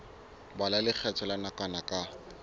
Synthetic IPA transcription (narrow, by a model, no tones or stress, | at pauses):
balalɪk͡xʰɛt͡sʰɔlanakanakʼa